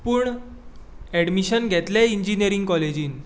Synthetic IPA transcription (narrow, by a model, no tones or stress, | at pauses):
puːɳ | ɛɽmiɕənɡʱɛt̪lɛiɲd͡ʑinijəɾiŋɡkɔled͡ʑiːn